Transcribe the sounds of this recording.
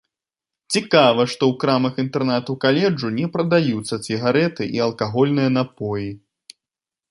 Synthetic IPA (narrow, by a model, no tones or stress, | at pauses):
t͡sʲikavɐʂt̪ɔwkɾamɐxint̪ɛrnat̪ukalʲɛd͡ʐunʲɛpɾɐd̪ajut̪sːɐt͡sʲiɣaɾɛt̪ɨʔiɐlˠkaɣɔlʲnɨjɐn̪apɔji